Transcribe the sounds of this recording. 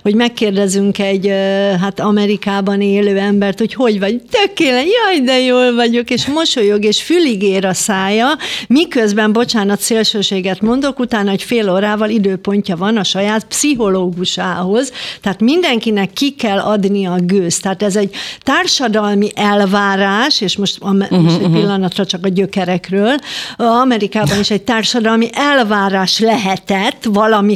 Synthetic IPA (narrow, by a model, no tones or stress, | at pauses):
ho̞ɟmɛkːeːrd̪ɛzyŋkɛɟɦaːt̪ɒmɛɾikaːbɒneːløːɛmbɛrt̪ho̞cho̞ɟvɒɟt̪økːeːlɛnjɒid̪ɛjoːlvɒɟo̞keːʃmo̞ʃojoɡeːʃfyliɡeːɾɒsaːjɒmikøzbɛmbo̞t͡ʃaːnɒt̪seːlʃøːʃeːɡɛt̪mo̞nd̪o̞kut̪aːnːɒocfeːloːɾaːvɒlid̪øːpo̞ɲcɒvɒnɒʃɒjaːt̪psiɦo̞loːɡuʃaːɦo̞zt̪ɛaːt̪mind̪ɛŋkinɛkːikɛlːɒd̪niɒɡøːst̪aːt̪ɛzɛɟt̪aːrʃɒd̪ɒlmiʔɛlvaːɾaːʃeːʃmo̞ʃt̪mmoʃɛ̥pilːɒnɒt̪rɒt͡ʃɒkɒɟøkɛɾɛkrøːlɒmɛɾikaːbɒniʃɛɟ̚t̪aːrʃɒd̪ɒlmiʔɛlvaːɾaːʃlɛɦɛt̪ɛt̪ːvɒlɒmi